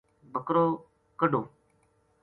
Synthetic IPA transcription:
bʱəkɾoː | kəɖoː

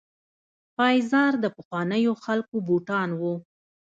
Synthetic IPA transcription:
pɑjzɑɾd̪əpəxwɑnəjoxalkobuʈɑnwu

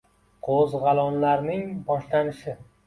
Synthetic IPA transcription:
qʰozʁɑlˠɒnlaɾnɪŋbɒʃlanɪʃɪ

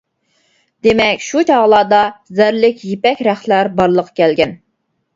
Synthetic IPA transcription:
d̪emɛkʲʃut͡ʃʰɑʁlˠɑːd̪ɑzæɾlɪkʲjepɛkʲɾæχlæɾbɑɾlˠəqʰkʲɛlɡʲɛn

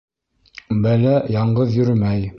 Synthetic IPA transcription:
bælæjɑɴɢɤðjɵ̆ɾmæj

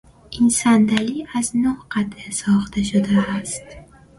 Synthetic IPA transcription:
insand̪aliaznʊhqʰat̪ɨsɒχt̪ʰaʃʊd̪aːst̪

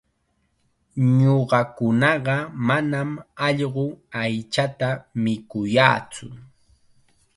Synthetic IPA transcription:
ɲoɢɑkʊnɑɢɑmanamɑʎɢʊajt͡ʃat̪amɪkʊjaːt͡sʊ̰

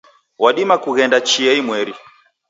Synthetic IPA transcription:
waɗimakuɣɛndat͡ʃiɛimwɛɾi

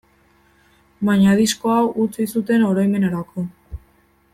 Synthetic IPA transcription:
baɲaðisko̞awʔut͡sisut̪e̞no̞ɾo̞jme̞naɾakʰo̞

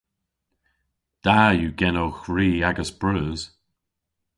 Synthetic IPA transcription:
d̪̥ajuːɡɛnoːxɹiːaɡəsb̥ɹəːz̥

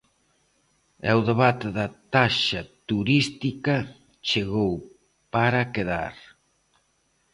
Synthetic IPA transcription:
awðeβat̪eðɐt̪aʃɐt̪uɾist̪ikɐ | t͡ʃeɣow | paɾakeða̰ɾ

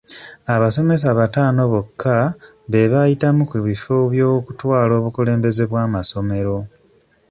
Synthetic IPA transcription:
aβaso̞me̞s̬aβataːno̞βokʰːa | βe̞βajitamukuβifoβjoːkutwaːlo̞ːβukule̞ːmbe̞ze̞βwaːmaso̞me̞ɾo̞

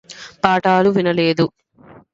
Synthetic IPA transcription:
paːʈaːluʋinɐleːd̪u

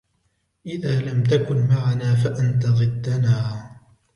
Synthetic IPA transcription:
ʔɪðaːlamt̪̬akʊnmaʕanaːfaʔant̪aɣɨd̪ːanaː

